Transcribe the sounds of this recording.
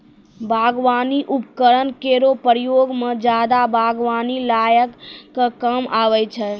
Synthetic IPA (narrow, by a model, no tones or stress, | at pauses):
bʱaɡʋaniʔupkəɾənkeɾopɾjoɡmed͡ʒad̪abʱaɡʋanilajəkːkəmaʋɛt͡ʃʰɛ